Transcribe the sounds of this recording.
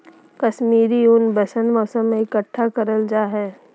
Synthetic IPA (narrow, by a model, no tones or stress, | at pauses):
kəʃmiːɾiʊnbəsə̃nmɔːsəmːẽɪkəʈʰːakəɾəld͡ʒaːɦɛː